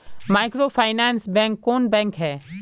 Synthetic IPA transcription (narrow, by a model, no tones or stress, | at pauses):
majkɾopʰajnansbɛ̃ŋkːɔnbɛ̃ŋkɦɛ